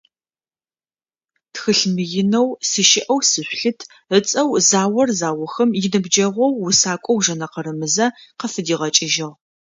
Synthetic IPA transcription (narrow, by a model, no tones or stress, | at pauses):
txɨɬmɨjɪnɐwsɨʃɪʔɐwsɨɕʷɬɨtʰ | ət͡sʼɐwzaːwɐrzaːwɐxɐmjɪnɨbd͡ʒɐʁʷɔwːʊsaːkʷʼɔwʒɐnɐqəɾɨmɨzɐqəfɨdiːʁɐt͡ʃʼɪʒɪʁ